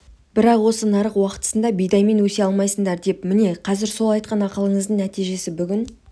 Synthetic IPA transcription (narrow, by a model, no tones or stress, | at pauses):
b̥ɪɾɑqwo̞sənɑɾəqwɑqə̥t̪ə̥sənd̪ɑbijd̪ɑjme̞nwɵse̞ɑlˠmɑjsəɴd̪ɑɾd̪e̞pmɪne̞qʰɑzɪɾso̞lˠɑjt̪̚qɑnɑqəlˠəɴəzd̪əɴnæt̪ijʒe̞sɪbʏɡʲɪn